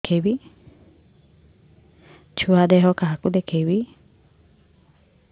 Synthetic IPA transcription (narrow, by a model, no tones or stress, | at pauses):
kʰebi | t͡ʃʰuad̪ɛɦɔkaɦakud̪ekʰejbi